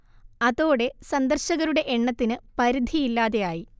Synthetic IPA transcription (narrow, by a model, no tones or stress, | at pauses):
ɐðo̞ːɽe̞sɐnd̪ɐrɕɐɣɐɾuɽe̞ʔeɳːɐt̪ːinɨpɐɾid̪ʱijilːaːðe̞jaːji